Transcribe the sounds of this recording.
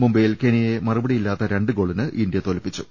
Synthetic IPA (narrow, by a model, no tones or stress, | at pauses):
mumbɐjilkenijemɐrubɐɽijilːaːt̪ːɐɾe̞ɳɖɨɡo̞ːɭinɨʔind̪jɐt̪o̞lɐpːit͡ɕːu̥